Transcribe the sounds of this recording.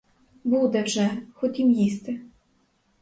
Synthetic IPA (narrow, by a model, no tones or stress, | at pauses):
bud̪ɛwʒɛxɔtʲimjist̪ɪ